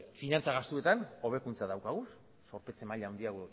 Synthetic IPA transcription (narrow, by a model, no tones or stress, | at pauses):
finant͡saɣast̪ue̞t̪ano̞β̞e̞kunt͡saðawkaɣ̞us | so̞ɾpe̞t͡se̞maʎawnd̪iaɣu